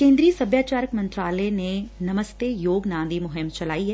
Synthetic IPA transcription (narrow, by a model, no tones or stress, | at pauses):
kẽːnd̪ɾiəsɐbʱjaːt͡ʃaːɾəkmɐ̃nt̪ɾaːlɛnenɐməst̪ejoːɡnãːnd̪imʊɦɪmt͡ʃɐlaːiɦɛ